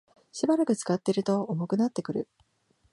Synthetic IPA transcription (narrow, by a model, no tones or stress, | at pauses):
ɕibaɾakɯ̟t͡sɨ̥kat̪ːeɾɯ̟t̪o̞ːmo̞kɯ̟nat̪ːe̞kɯ̟ɾɯ̟